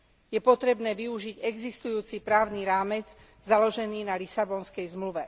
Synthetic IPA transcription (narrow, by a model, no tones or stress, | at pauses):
jɛpɔt̪ɾɛbnɛːʋiuʒiɟɛɡzist̪ujuːt͡sipɾaːʊniɾaːmɛd͡z | zalɔʒɛniːnalisabɔnskɛjzmluʋɛ